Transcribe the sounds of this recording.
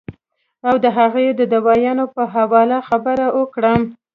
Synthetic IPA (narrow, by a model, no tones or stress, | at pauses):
awd̪əɦaɣejd̪əd̪awɑjɑnopəɦawɑlaxabəɾawʔəkɽəm